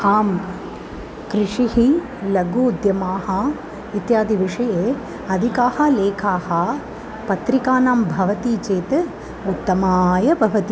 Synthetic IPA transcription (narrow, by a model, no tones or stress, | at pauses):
aːm | kɾɪʂihi | lɐɡuːd̪jɐmaːɦɐ | it̪jaːd̪ʱiʋiʂɐjeː | ɐd̪ʱikaːhɐleːkʰaːhɐ̆ | pɐt̪ɾikaːnaːmbʱɐʋɐt̪iːt͡ʃeːt̪ɨ | ut̪ːɐmaːjɐbʱɐʋɐt̪i